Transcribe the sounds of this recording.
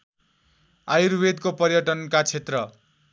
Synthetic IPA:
ajuɾbed̪kopʌrjʌʈʌnkat͡sʰet̪rʌ

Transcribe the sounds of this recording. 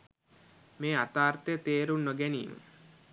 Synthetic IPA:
meːat̪aːrt̪əjət̪eːɾunːoɡænḭːmə̰

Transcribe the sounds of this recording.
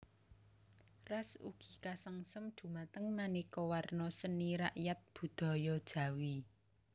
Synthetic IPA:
rasṵɡ̥i̤̥kasaŋsəmd̪̥ṳmat̪əŋmanikɔwarnɔsəniɾa̰ʔjat̪̚b̥ṳd̪̥ɔ̤jɔd̥ʒ̥ä̤wi

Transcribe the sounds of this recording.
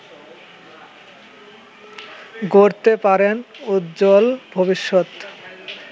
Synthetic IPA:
ɡoɾt̪epaɾenut̪d͡ʑolbʱobiʃːot̪

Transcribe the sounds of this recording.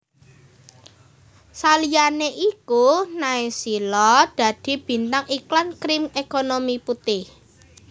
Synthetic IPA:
salijaneʔikunaisilɔd̪̥ä̤d̪̥i̤b̥i̤nt̪aŋiklankɾɪmekonomiput̪ɪh

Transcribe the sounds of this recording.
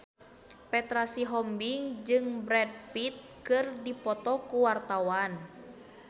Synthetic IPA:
pɛt̪ɾasiɦɔmbiŋd͡ʒɨŋbɾɛd̚pit̪̚kɨrdipɔt̪ɔkuwart̪awan

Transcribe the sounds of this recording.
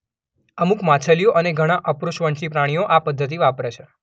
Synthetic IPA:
əmukmãt͡ʃʰəlijoʔəneɡʱəɽ̃aʔəpɾuʃʋəɳʃipɾaɽ̃ijoʔapəd̪ʱːət̪̬iʋapɾet͡ʃʰe

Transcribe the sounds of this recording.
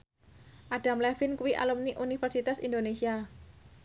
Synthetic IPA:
ʔaɖ̥a̤mlɛfɪnkuwiʔa̰lumniʔunifɛrsit̪asind̪onesia

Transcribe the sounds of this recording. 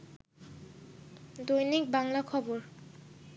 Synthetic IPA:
d̪ojnik̚baŋlakʰɔboɾ

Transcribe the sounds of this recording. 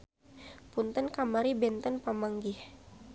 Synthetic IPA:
punt̪ənkamaɾibɛnt̪ənpamaŋɡih

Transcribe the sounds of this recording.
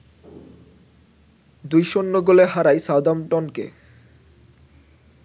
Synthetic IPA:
d̪ujʃonːoɡoleɦaɾajsawd̪amʈɔnkḛ

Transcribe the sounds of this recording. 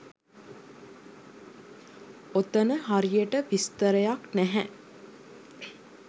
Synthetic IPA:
ot̪ənəɦaɾijəʈəʋist̪əɾəjaknæɦæ

